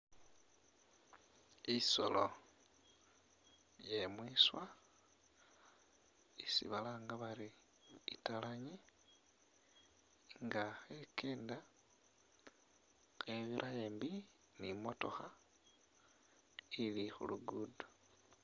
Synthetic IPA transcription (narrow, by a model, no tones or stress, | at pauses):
iso̰lo | jemwiːswa | isḭβalaːŋɡaβaɾi | italaɲi | ŋɡaxekʰeːnda | xeβiɾʔajeːmbi | nimo̞to̞xa | ilixṵluɡuːdo